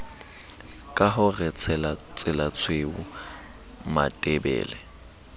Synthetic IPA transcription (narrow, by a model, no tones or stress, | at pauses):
kʼaɦʊrɛt͡sʰɛlat͡sʼɪlat͡sʰweu | ma̰tʼɛbɛ̰ːlɛ